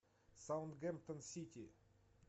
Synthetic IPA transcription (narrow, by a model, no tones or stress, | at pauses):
sawnt̪ɡɛmp̚t̪ənsʲit̪ʲi